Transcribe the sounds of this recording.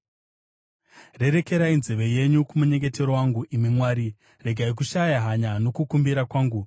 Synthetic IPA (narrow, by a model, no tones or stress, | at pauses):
re̞ɾe̞ke̞ɾainzeʋe̞je̞ɲukumuɲe̞ŋɡe̞te̞ɾo̞waŋɡuʔimimwaːɾi | re̞ɡʱaik̬uʃajaɦaɲano̞kukumbiɾakwaːŋɡu